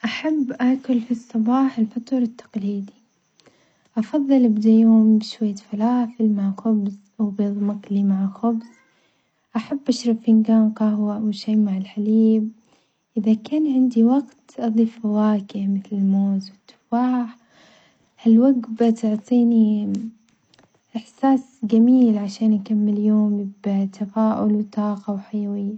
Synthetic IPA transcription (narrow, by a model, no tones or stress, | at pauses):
ʔaħabːʔaːkʊlfisˤːɑbɑːħɪlfat̪ʊɾˤɪt̪ːɑ̥qliːd̪i | ʔɑfɑðˤːɨlʔabd̪ajoːʊmʃwajːafalaːfɪlmaʕxʊbzʔawbjɨðˤmɑkliːmaʕaxʊbz | ʔaħabːʔaʃɾˤɑbɪnɡaːmqɑhwaʔwʃajːmaʕɪlħaliːb̚ | ʔɪðakaːnʕɪnd̪iwɑɡt̪ʔɑðˤiːfawaːkɪmɪθlɪlmoːzwɪt̪ːʊ̥faːħ | halwaɡbt̪ʊʕt̪ˤiːni | ʔɪħsaːs | ɡamiːlʕaʃaːnʔakamːɪljoːmbt̪ʰːafaːʔʊ̰lwt̪ˤɑːqɑwħajawɪjːa